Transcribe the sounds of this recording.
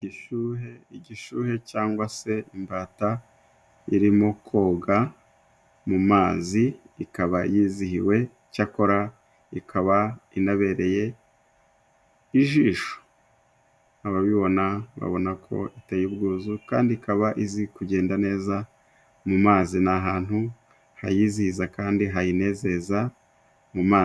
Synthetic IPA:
iɟiʃuːɦe̞iɟiʃuːhe̞caːŋɡwase̞imbaːta | iɾimo̞kʰo̞ːɡa | mumaːziː | kaβajiːzihiwe̞ | cako̞ɾa | ikʰaβainaβe̞ːɾe̞je̞ | iʒiːʃo̥ | aβaβiβo̞naβa̰βo̞nakʰo̞̰ʔitejibɡuːzuka̰ːndiikaβaʔizikuɟe̞ːndane̞ːza | mumaːzinaɦaːn̥hu | hajiːzihizakaːndiɦajine̞ze̞za | mumaː

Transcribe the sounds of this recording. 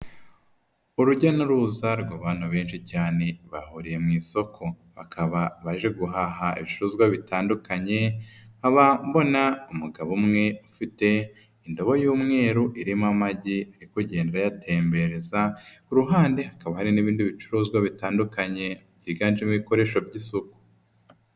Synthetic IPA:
uɾuɟanuɾuzaɾɡaβaːn̥huβe̞ːnʃicaːne̞βahuɾije̞mŋiːso̞kʰo̞ | βakʰaβaβaʒe̞ɡuɦaɦaḭβit͡ʃuɾuːzɡwaβitʰaːndukʰaɲe̞haβambo̞naumuɡaβumŋe̞ufite̞ | indo̞βo̞juːmŋe̞ːɾuʔiɾimamaɟiaɾikuɟe̞ːnde̞ɾajatʰe̞ːmbe̞ɾe̞zakuɾuɦaːnde̞hakaβahaɾiniβiːndiβit͡ʃuɾuːzɡwaβitaːndukaɲe̞bɟiːɡaːnd͡ʒimŋiiko̞ɾe̞ːʃo̞vɟisoku̥

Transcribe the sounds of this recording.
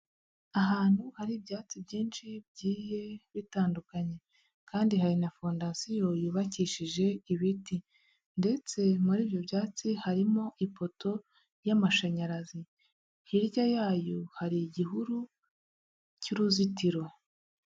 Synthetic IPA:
aɦaːn̥huhaɾibjaːt͡sibjiːnʃib̚ɟiːje̞βitaːndukaɲe̞ | kaːndihaɾinafondasijo̞juːβaciʃiʒe̞iβiti | nde̞t͡se̞muɾiːbjo̞bjaːt͡sihaɾimo̞ʔipo̞to̞ | jamaʃaɲaɾazi | hiɾjajaːjohaɾiɟiɦuɾu | ciɾuzitiɾwe̞

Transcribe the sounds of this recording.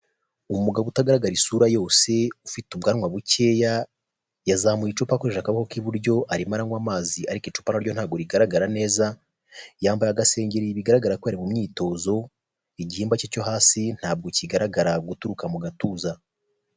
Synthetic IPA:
umuɡaβutaɡaɾaɡaɾisuːɾajo̞ːse̞ufitub̚ɡaːɾŋwaβuce̞ːja | jazamujit͡ʃupakoɾeʃakaβakokiβuɾɟo̞ʔaɾimaɾaŋɡwaːmaːziaɾikit͡ʃu̥panaɾɟo̞nhaːbɡo̞ɾiɡaɾaɡaɾane̞ːza | jaːmbajaɡase̞ːɲɟeɾiβiɡaɾaɡaɾakojaɾimumɲiːto̞ːzo̞ | iɟihiːmbacico̞ɦaːsin̥haːb̚ɡociɡaɾaɡaɾaɡutuɾukamuɡatuːza

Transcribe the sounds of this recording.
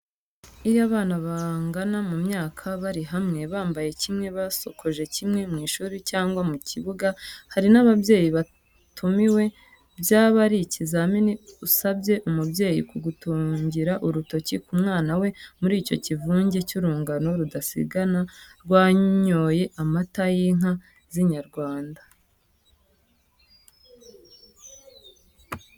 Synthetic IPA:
ijaβaːnaβaŋɡanamumɲaːkʰaβaɾiɦamŋe̞βaːmbaje̞cimŋe̞βaso̞̰kʰoʒe̞cimŋe̞mŋiːʃuːɾicaːŋɡwamuciβuɡahaɾinaβabje̞ːjiβa | tʰumiwe̞ | bjaːβaɾicizaminiusabje̞ʔumubje̞ːjḭkuɡutuːɲɟiɾaʔuɾuto̞cikumŋaːnawe̞muɾiːco̞̰civuːɲɟe̞cuɾuːŋɡano̞ɾudasḭɡanaɾɡwaːɲoje̞ʔamatajiŋ̥a | ziɲaɾɡwaːnda

